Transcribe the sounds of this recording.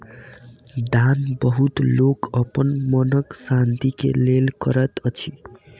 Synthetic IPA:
d̪anbʌɦut̪lokʌpʌnmʌnʌksant̪ikḛlelkʌɾʌt̪ʌt͡sʰi

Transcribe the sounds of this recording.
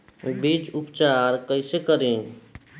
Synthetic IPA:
bid͡ʒupt͡ʃaɾkəɪsekəɾẽ

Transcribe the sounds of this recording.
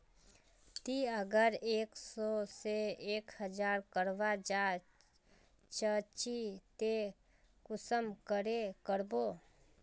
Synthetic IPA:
t̪iəɡəɾeːksɔːseeːkhəd͡ʒaːɾkəɾʋad͡ʒaː | t͡ʃət͡ʃit̪e | kʊsəmkəɾekəɾboː

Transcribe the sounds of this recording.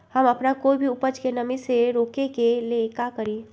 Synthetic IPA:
həməpnakoibʱiupəd͡ʒkenəmiseɾokekelekakəɾi

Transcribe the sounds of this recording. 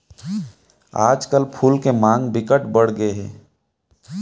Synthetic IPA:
aːd͡ʒkəlpʰuːlkemãːŋɡbɪkəʈbəɽ̤ɡəeɦɛ̰̃ː

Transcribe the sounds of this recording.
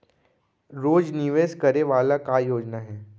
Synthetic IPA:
ɾoːd͡ʒnɪʋeːskɐɾeʋaːlakajoːd͡ʒnaɦɛː

